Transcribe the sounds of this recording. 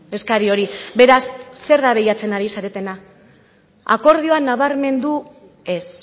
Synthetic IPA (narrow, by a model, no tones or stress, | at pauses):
e̞skaɾio̞ɾibe̞ɾasːe̞ɾðaβe̞jat͡se̞naɾisaɾe̞t̪e̞na | a̰ko̞ɾð̞io̞anaβaɾme̞nd̪u | e̞s